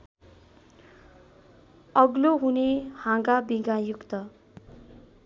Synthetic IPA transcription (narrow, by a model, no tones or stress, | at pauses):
ʌɡloɦunehãɡabiɡajukt̪ʌ